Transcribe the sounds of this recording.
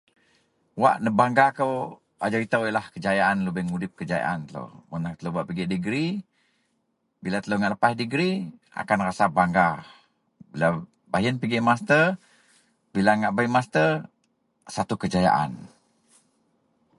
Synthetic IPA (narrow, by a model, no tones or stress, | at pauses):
wa̰ʔnəbaŋɡakəw | a̰d͡ʒaɾit̪əwilahkəd͡ʒajaʔanləbəhŋudɪp̚kəd͡ʒaja̰ʔa̰nt̪ələ̰munat̪ələbaʔpiɡiʔdəɡɾi | bilat̪ələŋaʔləpadəɡɾi | a̰kanrasabaŋɡa | bila | baɦiənpiɡɪʔmast̪ər | bilaŋaʔbaimast̪ə | sat̪ukəd͡ʒaja̰ʔa̰n